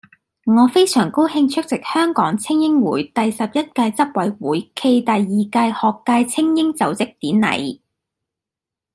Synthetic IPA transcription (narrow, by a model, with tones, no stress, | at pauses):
ŋɔː˨˧fe˥jsœː˨˩ŋko˥whɪ˧ŋt͡ʃʰɵ˥k̚t͡sɪ˨k̚hœː˥ŋkɔː˨˥ŋt͡sʰɪ˥ŋjɪ˥ŋwuː˨˥jt̪ɐ˨jsɐ˨p̚jɐ˥t̚kaː˧jt͡sɐ˥p̚wɐ˨˧jwuː˨˥jkʰe˧jt̪ɐ˨jːiː˨˩kaː˧jhɔː˨kːaː˧jt͡sʰɪ˥ŋjɪ˥ŋt͡sɐ˨˥wt͡sɪ˨k̚t̪iː˨˥nnɐ̰˨˩j